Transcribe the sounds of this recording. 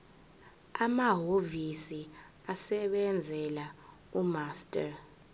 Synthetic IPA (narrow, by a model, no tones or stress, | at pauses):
amaɦovisi | asɛɓɛnd͡zʱɛla | umastʼa